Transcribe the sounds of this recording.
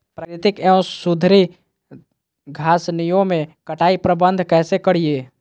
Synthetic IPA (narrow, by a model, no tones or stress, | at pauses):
pɾakɾɪt̪ɪkeõsud̪ʱɾi | ɡʱaːsnijõmẽkəʈaipɾəbənd̪ʱkɛːsekəɽije